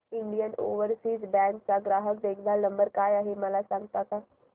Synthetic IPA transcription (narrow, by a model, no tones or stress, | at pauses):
ɪɳɖijəno̰ːʋəɾsiːzbɛ̃ɳʈ̚t͡saɡɾaːɦək̚d̪eːkʰd̪anə̃mbəɾkaːjaɦeməlasãŋɡ̚t̪ak̪aː